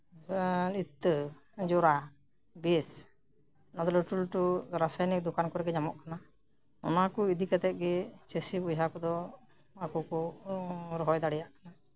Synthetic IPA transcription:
lit̪ːə | d͡ʒɔɾa | bɛs | nad̪ɔləʈulʈuɾasajnik̚d̪ɔkankɔɾɛɡɛɲamɔ̰ʔkana | ɔ̰nakɔid̪ikɛt̪ɛʔ̪̚ˀɡɛt͡ʃesibujɦakɔd̪ɔ | akɔkɔ | ɾɔɦɔjd̪aɽɛjaʔkana

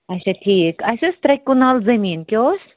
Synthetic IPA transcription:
ɐjsɐʈʰiːkɐsɐst̪ɾɐkːunalzɐmiːnkʲjoːs

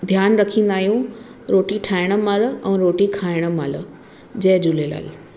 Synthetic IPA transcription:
d̪ʱjaːnɾɐkʰĩːn̆d̪aːɦijũ | ɾoːʈiʈʰaːɪɽ̃ə̆maːləʔɛ̃ːɾoːʈikʰaːɪɽ̃ə̆maːlə | d͡ʑɐːd͡ʑʊlela̰ːl

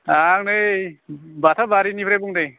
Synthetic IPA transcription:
aŋnejbatʰabaɾinipʰɾebuŋdej

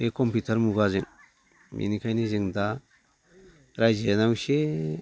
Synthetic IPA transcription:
hekɔmputʰaɾmuɡazɯŋ | mʔḭnikʰajnizɯŋda | ɾajzenawse

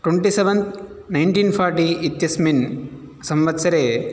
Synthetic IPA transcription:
ʈweɳʈiseʋɐnd̪ | nɐjɳʈiːnpʰaːɾʈiit̪jɐsmin | sɐmʋɐt̪sɐɾeː

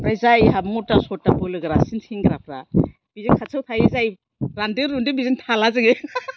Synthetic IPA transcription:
pɾajzajɦamutasɔtːabɯlɯɡɯɾasinsiŋɡaɾapʰɾa̰ | b̥izinkʰasʰɯwtʰajezaj | ɾandɯɾundibizintʰalazɯɡe

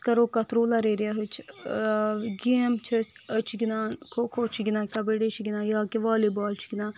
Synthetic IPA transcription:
kɐɾoːkɐt̪ɾoːlaɾeːɾjaɦut͡ʃʰ | ɡeːmt͡ʃʰəsət͡ʃʰiɡinaːnkʰokʰot͡ʃʰiɡʲinaːkʲabeɽet͡ʃʰiɡinaːjaːkeʋaːlibaːlt͡ʃʰɡinaː

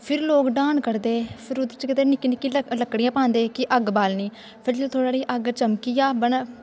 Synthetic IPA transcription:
pʰɪɾloːkɖãːnkəɾd̪eːpʰɪɾʊd̪t͡ʃkɪt̪eːnɪkːinɪkːiləkɽɪjãːpãːnd̪eːkɪʔəɡbaːlniː | pʰɪɾd͡ʒot̪ʰoːɽaːɽiːʔəɡt͡ʃəmkiːaːbəɳ

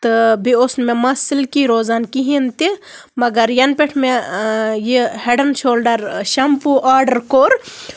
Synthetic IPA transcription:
t̪ɨbiosnmemɐsɪlkiɾoːzaːnkiɦint̪i | mɐɡɐɾjɐnpeʈʰmejiheɖɐnʃoːlɖɐɾʃɐmpuʔaːɾɖɐɾkoːɾ

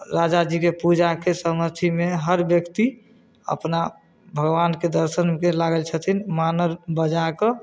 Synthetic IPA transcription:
ɾad͡ʒad͡ʒikepud͡ʒakesəmət̪ʰimeɦəɾbjəkt̪i | ə̰pna | bʱəɡʋanked̪əɾʃənkelaɡəlt͡ʃʰət̪ʰinmanəɾbəd͡ʒakɔ

